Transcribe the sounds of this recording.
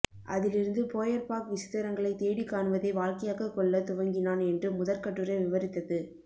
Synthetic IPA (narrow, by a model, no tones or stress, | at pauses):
ʔɐ̰ðɪlɪɾɯnd̪ɯpoːjɐɾpaːkʋɪsɪ̥t̪ːɐɾɐŋɡɐɭɐɪt̪eːɽikːaːɳɯʋɐðɐɪʋaːlkɐjaːkɐkːɔɭːɐt̪ʊʋɐŋɡɪnaːnɛndrɯmʊðɐɾkɐʈːɯɾɐɪʋɪʋɐɾɪt̪ːɐðɯ